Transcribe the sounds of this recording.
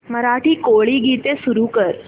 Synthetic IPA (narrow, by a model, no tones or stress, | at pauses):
məɾaʈʰiːkoɭiːɡit̪esuɾuːkəɾ